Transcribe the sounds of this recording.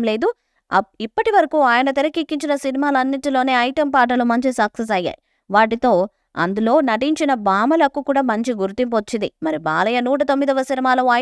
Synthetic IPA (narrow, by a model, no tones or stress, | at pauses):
mle̞ːd̪u | ipːɐʈiʋɐɾɐkuaːjɐnɐt̪̬iɾɐkikːiɲt͡ʃinɐsinimaːlɐɐnːiʈilo̞ːne̞ːɐjʈɐmpaːʈ̬ɐlumɐɲt͡ʃisɐkses̬ɐjːa̰ːji | ʋaːʈit̪o̞ː | ɐ̰nd̪ulo̞ːnɐʈiɲt͡ʃinɐbaːmɐlɐkːukuːɽaːmɐɲt͡ʃiɡuɾt̪imp̬ot͡ʃːind̪imɐɾibaːlɐjɐnuːʈ̬ɐt̪o̞mːid̪ɐʋːɐsinimaːlɐɐ